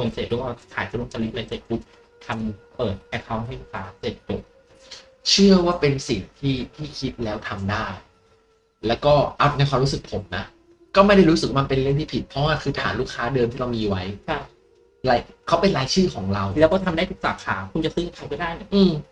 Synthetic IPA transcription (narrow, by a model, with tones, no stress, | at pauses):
kʰo˧nse˨˩t̪̚ɾu˧˦˩ɔ˧˥˩kʰaː˨˦jkʰa˧˩ɾu˧˥˩ŋt͡ɕa˧li˦˥la˧nse˨˩t̪̚bu˦˥k̚ | t̪ʰa˧mpɤː˨˩t̪̚pʰɛː˧˩k̚ʰɔː˧˥mha˥˩jlu˦˥˩kʰaː˦˥se˨˩t̪̚do˨˩˦k̚ | t͡ɕʰɯ˥˩ɐwaː˥˩pe˧nsi˨˩ŋt̪ʰiː˥˩t̪ʰiː˥˩kʰi˦˥t̪̚lɛː˦˥wt̪ʰa˧mdaː˥˩j | lɛː˦˥wkɔː˥˩ʔa˨˩na˧jkʰwa˧mɾu˦˥sɯ˨˩k̚pʰo˩˦mna˦˥ | kɔː˥˩ma˥˩jda˥˩jɾuː˦˥sɯ˨˩wa˧pe˧nlɯ˥˩əŋt̪ʰiː˥˩pʰi˨˩t̪̚pʰɔ˦˥waː˥˩kʰɯː˧t̪ʰa̰ː˩˦nluː˥˩kʰaː˦˥dɤː˧mt̪ʰiː˥˩a˧wmiː˧wa˦˥jkʰa˧˩ | la˧jkʰa˦˥wpe˧nlaː˨˦˥jt͡ɕʰɯː˥˩kʰɔː˩˦ŋɾa˧wlɛ˦˥wʰɔː˥˩t̪ʰa˧mdaː˥˩jt̪ʰu˦˥k̚saː˨˩kʰaː˩˦kʰu˧nt͡ɕa˨˩sɯː˧˦˥ŋa˧˩kʰa˧˦jkɔː˥˩daː˥˩jni˦˥˩ʔɯː˧m